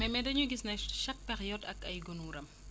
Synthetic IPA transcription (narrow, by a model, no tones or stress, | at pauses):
mɛmɛdɐɲuɡisnɐʃɐk̚pɛxjɔtɐkɐjɡɔnuɾɐm